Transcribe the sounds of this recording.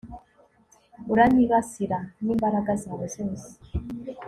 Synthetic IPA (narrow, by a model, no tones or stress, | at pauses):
uɾaniɣasiɾanimbaɾaɡazawɔzensi̥